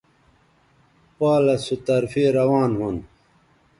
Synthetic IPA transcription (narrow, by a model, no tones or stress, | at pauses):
paːlɐsut̪ɐɾfiːɾɐwaːnhun